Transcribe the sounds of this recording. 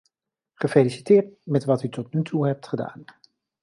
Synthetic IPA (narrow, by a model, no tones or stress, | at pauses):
χəfelisi̥tɪːɹtmɛtʋɑtytɔtnytʰuɦɛp̚tχəda̰ːn